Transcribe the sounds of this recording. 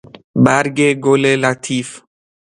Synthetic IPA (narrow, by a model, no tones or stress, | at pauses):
bæɾɡeɡolelat̪ʰiːf